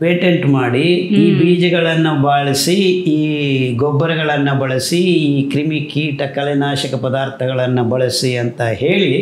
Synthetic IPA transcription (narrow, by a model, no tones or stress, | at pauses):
peːʈeɳʈmaːɽiiːbiːd͡ʒɐɡɐɭɐnːubaːɭisiiːɡobːɐɾɐɡɐɭɐnːubɐɭɐsiiːkɾimikiːʈɐkɐlɛnaːʃɐkɐpɐd̪aːɾt̪ʰɐɡɐɭɐnːubɐɭɐsiɐnt̪ɐɦe̞ːɭi